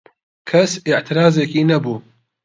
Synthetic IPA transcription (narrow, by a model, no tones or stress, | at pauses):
kʰɐsɪʔt̪ʰɪɾaːzeːkiːnɐbuː